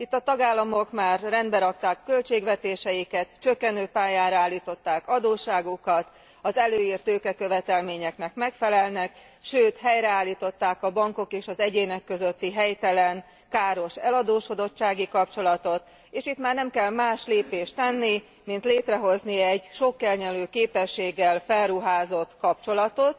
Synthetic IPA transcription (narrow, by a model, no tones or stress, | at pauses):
it̪ːɒt̪ɒɡaːlːɒmo̞kmaːrːɛnd̪bɛɾɒkt̪aːkːø̞lt͡ʃeːɡʋɛt̪eːʃɛjikɛt̪t͡ʃøkːɛnøːpaːjaːɾaːlːiːt̪o̞t̪ːaːkɒd̪oːʃaːɡukɒt̪ | ɒzɛløːjiːrt̪øːkɛkø̞vɛt̪ɛlmeːɲɛknɛkmɛkfɛlɛlnɛk | ʃøːt̪ɦɛjɾɛaːlːiːt̪o̞t̪ːaːkɒbɒŋko̞keːʃɒzɛɟeːnɛkːø̞zø̞t̪ːiɦɛjt̪ɛlɛn | kaːɾo̞ʃɛlɒd̪oːʃko̞d̪o̞t͡ʃt͡ʃːaːɡikɒpt͡ʃo̞lɒt̪o̞t̪ | eːʃit̪maːrnɛmkɛlmaːʃleːpeːʃt̪ɛnːi | mint̪leːt̪rɛɦo̞zniɛɟʃo̞kːɛlɲɛløːkeːpɛʃːeːɡːɛlfɛlruɦaːzo̞t̪ːkɒpt͡ʃo̞lɒt̪o̞t̪